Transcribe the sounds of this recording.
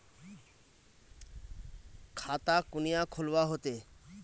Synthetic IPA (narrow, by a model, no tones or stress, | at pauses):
kʰat̪akunijakʰolwaɦot̪e